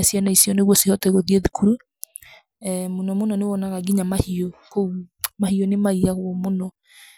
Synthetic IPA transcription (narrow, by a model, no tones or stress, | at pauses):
sjanaisjɔneɣwɔsehɔtɛɣoðieðikuɾu | monɔmonɔnewɔnaɣaɡiɲamahiokoumahionemaiaɣwɔmonɔ